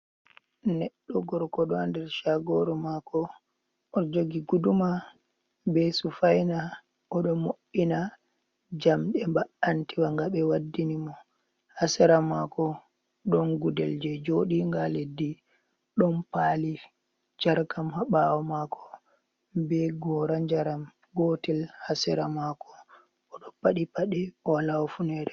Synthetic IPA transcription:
nɛɗːɔɡɔɾkɔɗɔandɛɾʃaɡɔɾɔmakɔ | ɔd͡ʒoɡiɡuduma | besufajna | ʔɔɗɔmoɓina | d͡ʒamɗɛmbaantiwaŋɡaɓɛwadːinimɔ | hasaɾamakɔ | ɗɔnɡudɛld͡ʒɛd͡ʒoɗiŋɡaledːi | ɗɔnpaːli | d͡ʒaɾkamhaɓawɔmakʰɔ̥ | bɛɡɔɾad͡ʒaɾam | ɡɔtɛlhasɛɾamakɔ̥ | ɔɗɔpaɗipaɗɛɔlawfunɛɾɛ

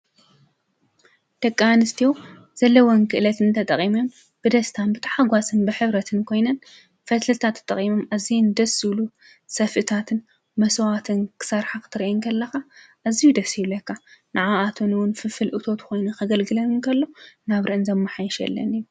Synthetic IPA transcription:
d̪̥ɐkʼːaanɨst̪ʰijo | z̥ɐlːɐwonkʰɨʔɨlɐt̪ʰɨnt̪ʰɐt̪ʼɐχʼimom | b̥ɨd̪ɐst̪ʰanbɨt̪ʰɐ̥ħaɡʷasɨnbɨħɨβɾɐt̪ʰɨnkʰo̞jnɐn | fɐt̪lɨt̪ʰat̪ʰːɐ̥t̪ʼːɐ̰χʼimomazijnd̪ɐsɨlu | sɐfʔɨt̪ʰat̪ʰɨn | mɐswat̪ʰɨnkʰɨ̥sɐɾħakɨ̥t̪ʰɨɾiʔɛŋkʰɐlːɐxaʔazijud̪ɐsiβlɐkːanɨʕaʔat̪ʰonɨwʊnfɨfɨlʔɨt̪ʰo̞t̪kʰo̞jnukʰɐɡɐlɡɨlɐnɨŋkʰɐlːo̞naβɾɨʔɨnzɐmːɨħajʃɛ̰lːɐ̰niju

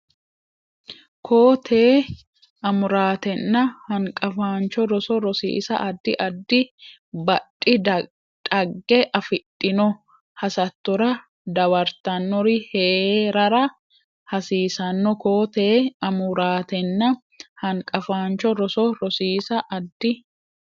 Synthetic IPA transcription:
kʰo̞ːt̪ʰeː | ɐmʊɾaːt̪ɛnːɐhɐŋkʼɐfaːnt͡ʃɔɾɔsɔɾɔsḭːsɐ̰ʔɐd̪ːɪʔɐd̪ːɪ | bɐᶑʼɪ | dɐɡːɛʔɐfɪt̪ʼːɪnɔ | hɐsɐt̪ːɔɾɐ | d̪ɐwɐɾt̪ɐnːɔɾɪheːɾɐɾɐ | hɐsiːsɐnːɔkoːt̪eːɐmʊɾaːt̪ɛnːɐ | hɐŋkʼɐfaːnt͡ʃɔɾɔsɔɾɔsiːsɐʔɐd̪ːɪ

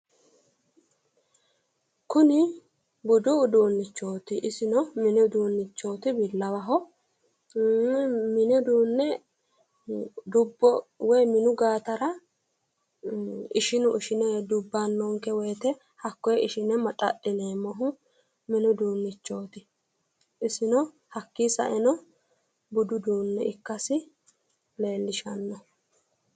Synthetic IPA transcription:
kʊnɪ | bʊd̪ʊd̪uːnːɪt͡ʃːoːt̪ɪʔɪsɪnɔmɪnɛd̪uːnːɪt͡ʃːo̞ːt̪ɪbɪlːɐwɐɦɔ | mɪnɛd̪uːnːɛ | d̪ʊbːɔwɔjmɪnʊɡaːt̪ɐɾɐ | ɪʃɪnʊʔɪʃɪnɛd̪ʊbːanːɔŋkɛwɔjt̪ɛ | hɐkːɔjɛʔɪʃɪnɛmɐt̪ʼɐ̰ʔɪneːmɔɦʊ | mɪnʊd̪uːnːɪt͡ʃːoːt̪ɪ | ɪsɪnɔ | hɐkːisɐ̰ʔɛnɔ | bʊd̪ʊd̪uːnːɛɪkːɐsɪ | le̞ːlːɪʃɐnːɔ

